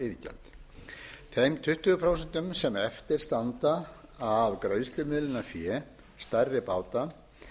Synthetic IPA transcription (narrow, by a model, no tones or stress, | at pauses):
ɪðcɛ̰lt̪ | t̪ʰejmt̪ʰʏht̪ʏɣʏpʰɾowsɛnt̪ʏmsɛmɛft̪ɪɾ̥st̪ant̪aavkɾœɥðst̪lʏmɪːlɪnafjɛ | st̪ajɾðɪpaːwt̪a